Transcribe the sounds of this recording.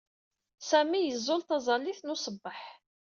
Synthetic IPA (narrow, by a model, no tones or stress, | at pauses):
sæmijəzˤːʊlt̪ɑzˤɑlːiθnʊsˤəbːəħ